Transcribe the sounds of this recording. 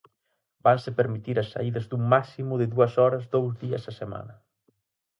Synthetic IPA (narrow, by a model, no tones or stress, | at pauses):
bansepeɾmit̪iɾasːa̰iðɐzd̪uŋːaksimuðeðuɐsɔɾɐzd̪owzðiɐ̰sasema̰nɐ